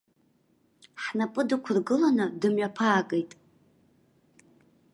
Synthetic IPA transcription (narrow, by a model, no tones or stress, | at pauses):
ħnapʼɨdɨkʷʰʊrɡɨlanɨdɨmɥapʰaːkʼejtʼ